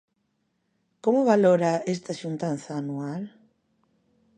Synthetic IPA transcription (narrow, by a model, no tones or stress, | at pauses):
komʊβaloɾaest̪aʃunt̪an̟θaːnual